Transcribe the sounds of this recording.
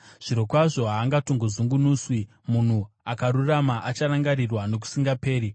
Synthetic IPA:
ʐ̥iɾo̞kwaʐo̞ɦaːŋɡatoŋɡozuŋɡunuːswi | mun̤u | akaɾuramaʔat͡ʃaɾaŋɡaɾirwano̞k̬u̥siŋɡape̞ːɾi

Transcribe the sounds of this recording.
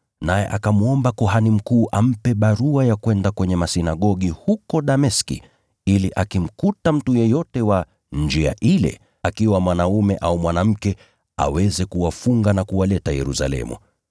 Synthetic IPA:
najɛ̰ʔakamuɔmbakɔɦanim̩kuːʔam̩pɛɓaɾuajakwɛndakwɛɲɛmasinaɠɔɠihukɔɗamɛskḭ | iliʔakim̩kutam̩tujɛjɔtɛwa | nd͡ʒia̰ʔilɛ̰ | akiwamwanaumɛʔaumwanam̩kɛ | a̰wɛzɛkuwafuŋɡanakuwalɛtajɛɾusa̰lɛ̰mṵ

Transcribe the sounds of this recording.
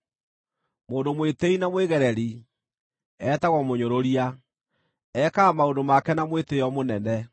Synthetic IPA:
moːndomweteinamweɣɛɾɛɾi | ɛtaɣɔmoɲoɾoɾia | ɛkaːmaondomakɛnamweteɔmonɛnɛ

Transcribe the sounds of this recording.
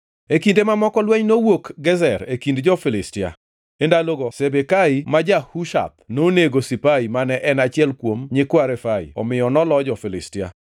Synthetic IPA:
ekindemamɔkɔlwɛɲnowokɡɛzɛɾekindd͡ʒɔfɪlɪstɪa̰ | endaloɡɔsebekaimad͡ʒahuʃa̰t̪̚noneɡosipaimanɛʔɛnat͡ʃɪɛlkwomɲɪkwaɾɛfaḭɔ̰mɪjɔnɔlɔd͡ʒɔfɪlɪ̰stɪa̰

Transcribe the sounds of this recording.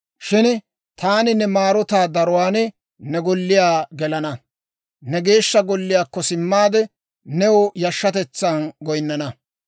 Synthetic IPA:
ʃɪn | t̪ʰaːnɪnɛmaːɾɔt̪aːd̪ɐɾʊwaːn | nɛɡɔlːɪjaːɡɛlɐnɐ | nɛɡe̞ːʃːɐɡɔlːɪjaːkːɔsɪmːaːd̪ɛ | nɛwɔjɐʃːɐt̪ɛt͡sːɐnɡɔjnːɐnɐ

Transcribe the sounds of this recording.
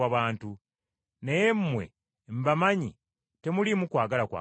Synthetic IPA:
aβaːntu | nejemːwe̞̰ | m̩bamaɲi | te̞mulimukwaːɡalakwa̰

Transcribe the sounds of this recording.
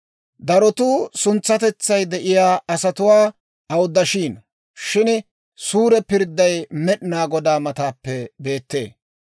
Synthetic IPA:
d̪ɐɾɔt̪uːsʊnt͡sːɐt̪ɛt͡sːɐjd̪ɛʔɪjaːɐsɐt̪ʊwaː | ɐwd̪ːɐʃiːn | ʃɪn | suːɾɛpɪɾd̪ːɐjmɛɗɪnaːɡɔd̪aːmɐt̪aːpːɛbe̞ːt̪ːe̞̰ː

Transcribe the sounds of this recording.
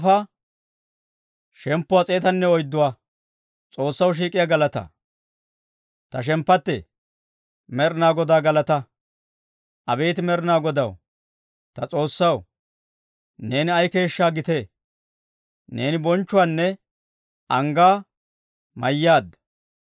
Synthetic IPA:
fɐ | ʃɛmpːʊwat͡sʼe̞ːt̪ɐnːɛɔjd̪ːʊwaː | t͡sʼo̞ːsːɐwʃ̬iːkʼɪjaɡɐlɐt̪ɐ̰ | t̪ɐʃ̬ɛmpːɐt̪ːɛ̰ | mɛɾɪnaːɡɔd̪aːɡɐlɐt̪ɐ | ʔɐbe̞ːt̪ɪmɛɾɪnaːɡɔd̪ɐw | t̪ɐt͡sʼo̞ːsːɐw | ne̞ːnɪɐjke̞ːʃːaːɡɪt̪e̞ | ne̞ːnɪbɔnt͡ʃːʊwaːnːɛ | ʔɐŋɡaː | mɐjːaːd̪

